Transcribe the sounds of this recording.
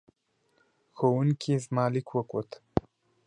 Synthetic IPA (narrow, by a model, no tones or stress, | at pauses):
xowunkʰʲezmaːlikwɐkʷot̪